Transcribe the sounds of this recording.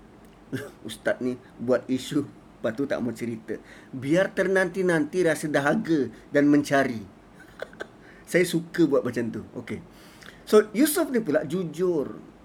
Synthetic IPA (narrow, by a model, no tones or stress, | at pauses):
ust̪at̪̚ni | buat̪̚isu | pat̪ut̪a̰ʔmat͡ʃəɾit̪ə | biart̪ərnant̪inant̪iɾasədaɦaɡədanmə̃ɲt͡ʃaɾi | sajasukəbuat̪̚mat͡ʃant̪uo̰ke | sojusʊfnipunlaʔd͡ʒud͡ʒʊr